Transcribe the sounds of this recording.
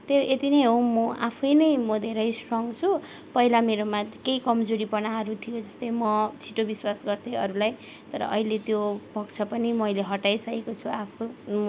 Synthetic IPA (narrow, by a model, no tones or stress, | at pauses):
t̪eʔet̪inʌjɦomʌʔapʰʌjnʌjmʌd̪ʱeɾʌjsrʌŋɡt͡sʰu | pʌilameɾomakejkʌmd͡zoɾipʌnaɦʌɾut̪ʰijod͡zʌst̪ʌjmʌt͡sʰiʈobiswasɡʌrt̪eʌɾulaj | t̪ʌɾʌ̰ʔʌɦilet̪jobʱʌkt͡sʰʌpʌnimʌjleɦʌʈajsʌkekot͡sʰuapʰo